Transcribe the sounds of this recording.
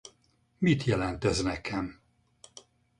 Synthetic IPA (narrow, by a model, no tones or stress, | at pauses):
mit̪jɛlɛnt̪øznɛkʰɛm